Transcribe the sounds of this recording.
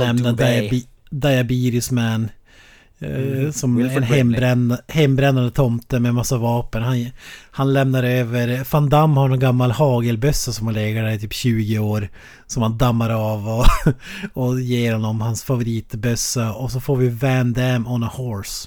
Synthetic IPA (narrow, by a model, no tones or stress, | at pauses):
lɛmnad̪ | d̪ajabiːɾʊsmæn | sɔmɛnhɛmɾɛnhɛmbɾɛnːand̪ət̪ʰɔmt̪əmɛmasːavɑːpənhanhanlɛmnaɾøːvəɾfand̪amːhaɳɔnɡamːalhɑːɡəlbœsːasɔmhanleːɡəɖæɾɪt̪ʰyːpɕʉ̟ːɡɪoːɾ | sɔmhand̪amːaɾavɔ | ɔjeːɾhɔnːɔmhansfavʊɾiːt̪bœsːaɔsɔfoːɾvɪvænd̪æmɔnahɔɾs